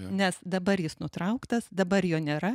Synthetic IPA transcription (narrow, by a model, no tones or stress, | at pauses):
nʲɛsd̪ɐbɐɾjɪsnʊt̪ɾɐʊkt̪ɐsd̪ɐbɐɾjoːnʲeːɾɐ